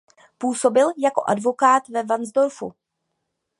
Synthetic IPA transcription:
puːso̞bɪljako̞̰ʔa̰dvo̞kaːt̪vɛvanzdo̞ɾfṵ

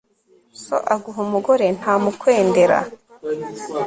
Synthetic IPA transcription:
so̰ʔaɡuɦumuɡoɾe̞n̥haːmukwe̞ːnde̞ɾa̰

